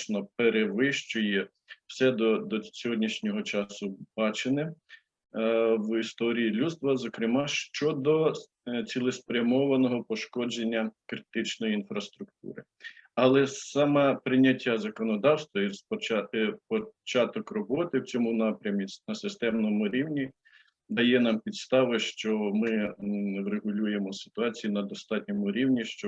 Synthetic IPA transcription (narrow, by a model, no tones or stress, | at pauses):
nɔpeɾeʋɪʃt͡ʃɔjɛ | w̥sɛd̪ɔd̪ɔsʲɔɦɔdʲnʲiʃnʲɔɦɔt͡ʃɑsʊb̥ɑt͡ʃenɪ | wist̪ɔɾʲijilʲust̪ʋɐzɔkɾɪmɑʃt͡ʃɔd̪ɔ | t͡sʲilˠɪspɾʲɐmɔʋɐnɔɦɔpɔʃkɔd͡ʒenʲːɐkɾɪt̪ɪt͡ʃnɔjiinfɾɐst̪ɾʊk̚t̪ṵɾɪ̰ | ɐlˠɛsɑmɛpɾɪnʲɐtʲːazɐkɔnɔd̪ɑwst̪ʋɐiɔpɔt͡ʃɑt̪ɔkrɔbɔt̪ɪwt͡sʲɔmunɑpɾʲɐmʲisʲnɐsɪst̪ɛmnɔmʊɾʲiwnʲi | d̪ɐjɛnɑmpʲid̪st̪ɑʋɪʃt͡ʃɔmɪwreɦʊlʲujemɔsɪ̥t̪ʊɑt͡sʲijinɐd̪ɔst̪ɑtʲnʲɔmʊɾʲiwnʲiʃt͡ʃɔ